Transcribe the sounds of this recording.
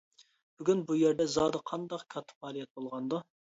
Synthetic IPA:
b̥yɡʲynbujeɾd̪ɛzɑːd̪ɨqʰɑnd̪ɑqkʲʰɑt̪ʰʊ̥pɑːlˠijɛt̪̚bolˠʁɑnd̪u

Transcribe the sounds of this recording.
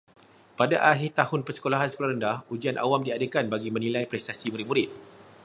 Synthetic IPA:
padaʔaɦɪɾt̪ahʊnpərsə̥kolaɦansə̥kolaɾəndahud͡ʒianʔa̰wamdiadəkanbaɡimə̃nilajpɾɛst̪asimuɾit̚mũɾɪt̪̚

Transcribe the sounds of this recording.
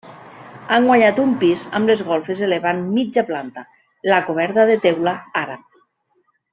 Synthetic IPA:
aŋɡwaɲat̪umpiza̰mlezɣɔlˠfezeleβanmid͡ʒaplant̪a | lakoβ̞ɛɾt̪aðet̪ewlaaɾa

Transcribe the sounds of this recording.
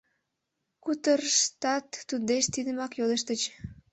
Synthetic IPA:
kut̪ərʃt̪ɑt̪ːud̪eʃt̪id̪əmɑkjod̪əʃt̪ət͡ɕ

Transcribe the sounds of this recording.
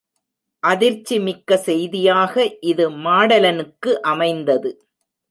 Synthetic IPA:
ʔɐðɪɾt͡ʃːimɪkːɐsɛjðɪjaːɣɐʔɪðɯmaːɽɐlɐnɯkːɯʔɐmɐɪnd̪ɐðɯ

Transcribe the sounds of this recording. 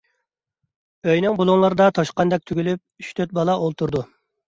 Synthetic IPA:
øjnɨŋbulˠuŋlˠɑɾɨd̪ɑt̪ʰɑʃqɑnd̪ɛk̚ʲt̪ʰyɡʲylyp̚yʃt̪ʰøt̪̚bɑlˠɑʔolˠt̪ʰuɾd̪u

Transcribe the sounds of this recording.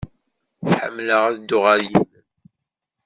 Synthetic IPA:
θħə̰mːləʁæðd̪ːʊʁaɾjimən

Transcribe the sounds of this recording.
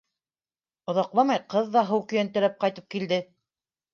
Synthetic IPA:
ŏðɑqlˠɑmɑjqɤðːɑɦɤwkɵ̆jænt̪ɘ̆ɾæp̚qɑjt̪ɤp̚kild̪ɘ

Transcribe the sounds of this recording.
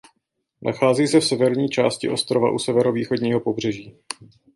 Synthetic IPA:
nʔa̰xaːziːsɛfsɛvɛɾɲiːt͡ʃa̰ːscɪʔo̞st̪ɾo̞va̰ʔusɛvɛɾoviːxo̞dɲiːɦo̞po̞br̝ɛʒiː

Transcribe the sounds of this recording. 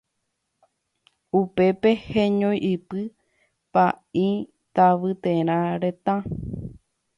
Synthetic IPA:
upe̞pe̞hẽɲõjʔɨpɨ | paĩ | t̪aʋɨt̪eɾ̃ãɾet̪ã

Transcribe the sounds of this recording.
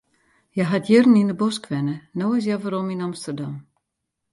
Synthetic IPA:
jɛɦatʰjɪrninəbɔskʰʋɛnənoːɪs̬javɔɾominamstərdam

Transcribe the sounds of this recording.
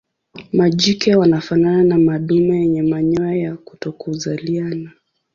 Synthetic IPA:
maʄikɛwanafanananamaɗumajɛɲɛmaɲɔɛjaku̥tɔkuzaliana

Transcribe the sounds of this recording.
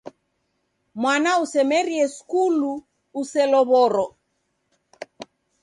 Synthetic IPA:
mwanausɛmɛɾiɛskuluː | sɛlɔβɔɾɔ

